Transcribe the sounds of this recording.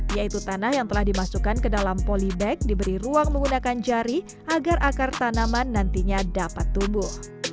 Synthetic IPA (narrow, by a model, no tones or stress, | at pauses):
jait̪ut̪anahjaŋt̪əlahdimasukankədalampolibɛk̚dibəɾiruaŋməŋɡunakand͡ʒaɾi | ʔaɡarʔakart̪anamanːant̪iɲadapat̪ːumbʊh